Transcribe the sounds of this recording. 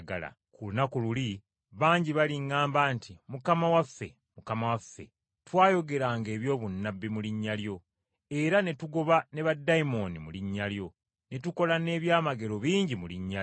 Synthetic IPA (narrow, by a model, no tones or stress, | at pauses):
ɡa̰la̰ | kulunakululi | βaːɲɟiβaliŋːaːmbaːntimukamawafːe̞̰ | mukamawafːe̞̰ | twaːjo̞ɡe̞ɾaːŋɡe̞ːβjo̞ːβunːabːimuliɲːaljo̞ | e̞ɾane̞tuɡo̞βane̞βadːaimo̞nimuliɲːaljo̞ | ne̞tuko̞lane̞ːβjaːmaɡe̞ɾo̞βiːɲɟimuliɲːa